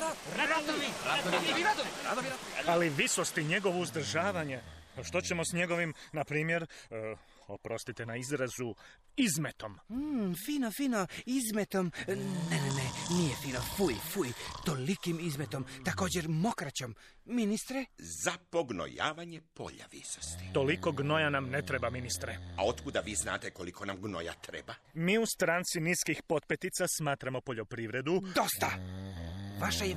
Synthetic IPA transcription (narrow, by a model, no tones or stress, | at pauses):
ɾad̪aaɾad̪oaaaliʋisost̪iɲe̞ɡo̞ʋouzd̪r̩ʒaːʋaɲe̞ʃt̪ot͡ɕe̞mosɲe̞ɡo̞ʋimnapɾiːmje̞ɾ | opɾost̪it̪inaizɾazu | izmet̪o̞m̩fiːnofiːnoizmet̪omnenenenijefiːnofujfujt̪o̞likimizme̞t̪o̞mt̪ako̞ːd͡ʑe̞ɾmo̞kɾat͡ɕomː | inist̪ɾezapoɡno̰ja̰ːʋaɲepo̰ʎa̰ʋḭsost̪i̥t̪o̞liko̞ɡno̞janamnet̪ɾebaminist̪ɾeao̞t̪kud̪aʋiːzna̰ːt̪ekolikʰonamɡno̰ja̰t̪ɾḛbamiːust̪ɾaːnt̪siniːskixpo̞t̪̚pet̪it̪sasmaːt̪ɾamopo̞ʎo̞pɾiʋɾe̞d̪ud̪o̞st̪a | ʋaʃaje